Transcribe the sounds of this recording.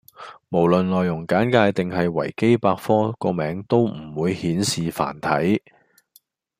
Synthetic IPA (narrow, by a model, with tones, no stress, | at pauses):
mo˨˩wlɵ˨nlɔː˨jʊ˨˩ŋkaː˨˥nkaː˧jt̪ɪ˨ŋhɐ˨jwɐ̰˨˩jke˥jpaː˧kfɔː˥kɔː˧mɛː˨˧˥ŋt̪o˥wm̩˨˩wuː˨˧jhiː˨˥nsiː˨fa̰ː˨˩nt̪ʰɐ˨˥j